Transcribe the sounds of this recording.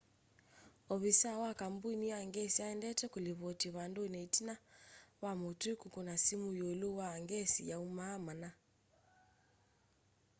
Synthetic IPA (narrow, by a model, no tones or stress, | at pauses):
ɔβisawakambuiniaŋɡɛsiaɛndɛtɛkuliβɔtiβandɔnɛitinawamɔtukukɔnasimujoɛluwaŋɡɛsijaumamana